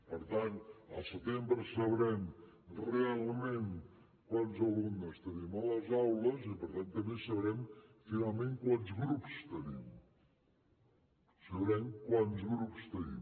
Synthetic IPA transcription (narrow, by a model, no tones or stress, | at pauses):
pəɾt̪anə̰lˠsət̪embɾəsəβɾɛm | realˠmẽn | kwanzəlumnəst̪ənimələzawləzipəɾt̪ant̪əmbesəβɾɛmfinalˠmẽŋkwanzɣɾupst̪ənim | səβɾɛmkwanzɣɾupst̪ənḭm